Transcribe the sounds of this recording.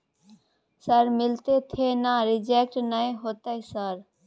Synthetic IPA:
səɾmɪlt̪et̪ʰeːnaːɾɪd͡ʒeːk̚ʈnaẽɦoːt̪aisəɾ

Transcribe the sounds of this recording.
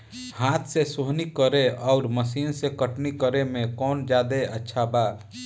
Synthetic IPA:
hat̪ʰsesoɦnikəɾeɔʊɾməsiːnsekəʈnikəɾemẽkɔːnd͡ʒad̪eətːʃʰaba

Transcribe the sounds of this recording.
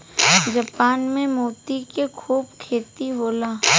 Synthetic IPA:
d͡ʒapaːnmẽmuːt̪ikekʰuːbkʰeːt̪iɦoːlaː

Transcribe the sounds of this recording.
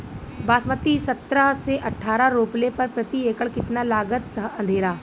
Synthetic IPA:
baːsmət̪isɐt̪ɾaɦseʔɐʈʰːaːɾaɾoːplepɐɾpɾɐt̪ieːkəɭkɪt̪nalaːɡət̪ːɐɐ̃nd̪ʱeːɾaː

